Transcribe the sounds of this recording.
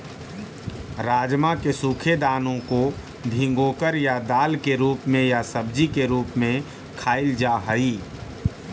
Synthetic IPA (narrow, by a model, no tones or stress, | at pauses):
ɾaːd͡ʒmakesuːkʰed̪aːnõko | bʱɪ̃ŋɡoːkəɾjad̪aːlkeɾuːpmẽjasəb̚d͡ʒikeɾuːpmẽ | kʰaːɪld͡ʒaɦəiː